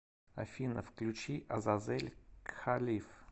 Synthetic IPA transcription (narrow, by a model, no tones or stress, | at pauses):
a̰fʲinəfklʲʉt͡ɕiʔɐzazɛlʲxalʲif